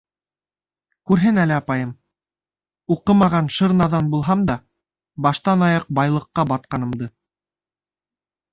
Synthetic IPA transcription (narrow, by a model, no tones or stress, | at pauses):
kʉɾɦɘnælɘɑpɑjɤm | uqɤmɑʁɑnʃɤ̆ɾnɑðɑnbulˠɦɑmd̪ɑ | bɑʃt̪ɑnɑjɑq̚bɑjlˠɤ̆qːɑbɑt̪̚qɑnɤ̆md̪ɤ